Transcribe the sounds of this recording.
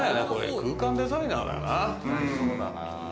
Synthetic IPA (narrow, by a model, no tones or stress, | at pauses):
anako̞ɾḛkɯːkãnd̪e̞zaĩnaːd̪a̰jo̰na